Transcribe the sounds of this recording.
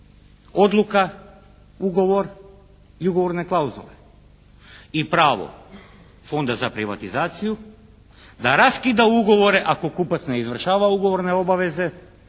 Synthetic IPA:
o̞d̪lˠuka | uɡo̞ʋo̞ɾ | iuɡo̞ʋo̞ɾne̞klˠauzo̰lḛ | ipɾaːʋo̰ | fo̞nd̪azapɾiʋa̰t̪izaːt̪siju | d̪aɾaskid̪auɡo̞ʋo̞ɾe̞ʔako̞kupat̪sneizʋr̩ʃaːʋauɡo̞ʋo̞ɾne̞o̞baʋe̞ze̞

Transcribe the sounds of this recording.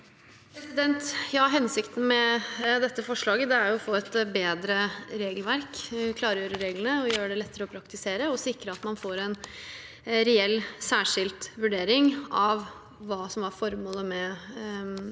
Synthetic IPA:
pʰɾɛsɪd̪ɛnt̪jɑːɦɛnsɪkt̪n̩mɛd̪ɛt̪ːəfɔʂɭɑːɡəd̪ɛæɾjʊɔfoːɛt̪beːd̪ɾəɾeːɡəlʋæɾkkʰlɑːɾəjøːɾəɾeːɡlənəɔjøːɾəɖɛlɛt̪ːəɾəɔpʰɾɑkt̪ɪseːɾəɔsɪkːɾəɑt̪mɑnfoːɾɛn | ɾɛɛlːsæːʂɪlt̪ʋʉɖeːɾɪŋɑʋ | ʋɑːsɔmʋɑɾfɔɾmoːləmɛ

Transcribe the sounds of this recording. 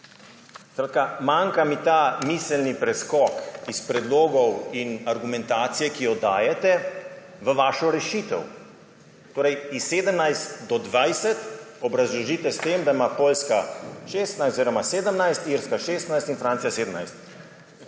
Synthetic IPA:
skɾat̪kamaŋkamit̪amisəlnipɾɛskɔkispɾɛd̪loːɡɔwinaɾɡumɛ̃nt̪aːt̪sijɛkijɔd̪aːjɛt̪ɛ | ʋəʋaːʃɔɾɛʃiːt̪ɛ̰w | t̪oːɾɛjisːeːd̪əmnajst̪d̪ɔd̪ʋajsɛt̪ɔbɾazlɔʒit̪ɛst̪emd̪aimapoːlskaʃest̪najst̪oziɾɔmaseːd̪əmnajst̪iɾskaʃeːst̪najst̪infɾaːnt̪sijaseːd̪əmnajst̪

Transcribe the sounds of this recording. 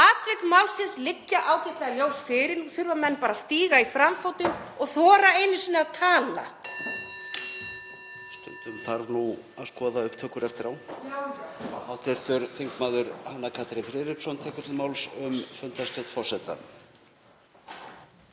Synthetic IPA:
aːt̪vɪkmawlsɪnslɪcːaʔaːwcɪht̪laɣajoːwsfɪɾɪɾnuθʏɾvamɛnːpaːɾast̪iːɣaifɾamfowt̪ɪnɔɣθɔːɾaejnɪsʏnaðt̪ʰaːla̰ | st̪ʏ̰nt̪ʏmθaɾvnu | aðskɔːðaʏhpt̪ʰœːkʏɾɛft̪ɪɾawn | awt̪ʰɛɾ̥t̪ʏɾθɪŋkmaːðʏɾhanːakʰaːt̪ɾɪnfɾɪðɾɪpsɔnt̪ʰɛːkʏt̪lɪmaːwlsʏmfʏnt̪ast̪ɔwt̪fɔr̥sɛt̪a̰

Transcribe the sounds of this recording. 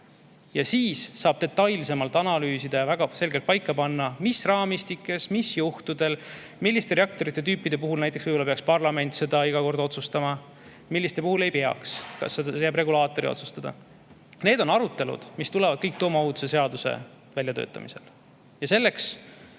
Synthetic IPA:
jɑsiːsːɑːb̥̚t̪e̞t̪ːˑɑjlse̞mɑlt̪ːˑɑnɑlyːsid̪̥ɑjɑvæɡ̥ɑse̞lɡelt̪̚pɑjkːɑpɑnːɑmisrɑːmist̪ikːˑe̞smisjuht̪ud̪e̞l | milːist̪e̞ɾeɑk̚t̪o̞ɾit̪ːˑe̞t̪yːpːˑid̪̥e̞puɦulnæjt̪ːˑesvɯjbolɑpeɑkspɑrlɑme̞nʲt̪se̞d̪̥ɑiɡ̥ɑko̞rd̪o̞t̪sust̪ɑmɑ | milːist̪epuhulejpe̞ɑ̰kskɑ̰sːed̪jæbre̞ɡulɑːt̪ːˑo̞ɾio̞̰su̥st̪ɑd̪ɑ̰ | ne̞ːd̪o̞nɑɾut̪ːe̞lṵd̪̥mist̪ulɛvɑd̪̚kɤjk̚t̪oːmɑoɦut̪use̞se̞ɑd̪̥usḛ | vælʲjɑt̪ø̰ːt̪ːˑɑ̰mḭse̞̰l | jɑse̞lːe̞ks

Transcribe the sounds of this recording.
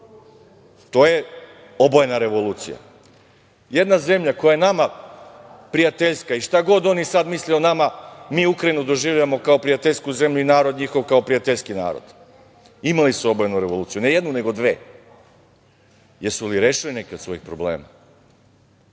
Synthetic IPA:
t̪o̞ːje̞ | obojenaɾe̞ʋo̞luːt̪sija̰ | je̞d̪naze̞mʎako̞jajenama | pɾijat̪eʎskaiʃt̪aɡo̞d̪o̞nisad̪mislionamamiːukɾainud̪o̞ʒiʋʎaʋamo̞kao̞pɾijat̪eʎʲskuze̞mʎuinaːɾo̞d̪ɲixo̞ʋkaopɾijat̪eʎskina̰ːɾo̰d̪ | imalisuo̞bojenuɾe̞ʋoluːt̪sijune̞jed̪nune̞ɡo̞d̪ʋe̞̰ː | jeɾsuliɾeːʃilinekeot̪sʋo̞jixpɾoblḛːma̰

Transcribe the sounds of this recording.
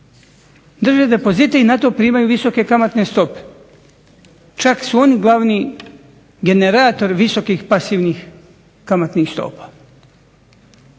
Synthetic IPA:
d̪r̩ʒed̪e̞po̞zit̪einat̪o̞pɾiːmajuʋiso̞ke̞kamat̪nest̪o̞pe̥ | t͡ʃaksuo̞niɡlˠaʋni | ɡe̞neɾaːt̪o̞ɾʋiso̞kixpasiːʋnix | kamat̪nixst̪o̰ːpḁ

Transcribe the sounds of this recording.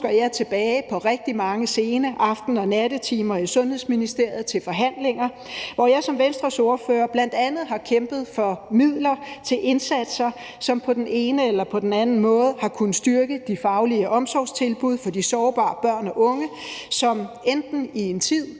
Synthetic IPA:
ɡ̥ɐjɑ̈ɪt͡sʰe̝b̥ɛːɪpʰɒ̽ʁɛɡ̥̚d̥imɑ̈ŋəse̝ːnɐʔɑ̈fd̥n̩ɒ̽næd̥ət͡sʰiːmɐisɔ̽nhe̝ð̰ˠsminisd̥e̝ɐ̰jð̞̩ˠt͡sʰe̝lfɒ̽ɦæn̰le̝ŋɐ | ʋɒjɑ̈ɪsɒ̽mʋensd̥ʁɐso̝ːɐføːɐb̥læn̰d̥ænð̞̩ˠɦɑ̈kʰemb̥ð̞̩ˠfɒ̽mið̰ˠlɐt͡sʰe̝lʔe̝nsæd̥sɐ | sɒ̽mpʰɒ̽d̥ene̝ːnəelɐpʰɒ̽d̥enænn̩mɔ̽ːð̞ˠəhɑ̈kʰunəsd̥yɐɡ̥əd̥ifɑ̈ʊliəʔɒ̽msɒːst͡sʰe̝lb̥uðˠfɒ̽d̥isɒːb̥ɑ̰̈ːb̥ɶɐ̰nɒ̽ʔɔ̽ŋə | sɒ̽m | end̥n̩ie̝nt͡sʰið̰ˠ

